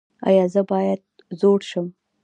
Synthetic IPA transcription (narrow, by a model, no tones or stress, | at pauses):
ɑ̰jɑzəbɑjad̪̚ | zoɽʃəm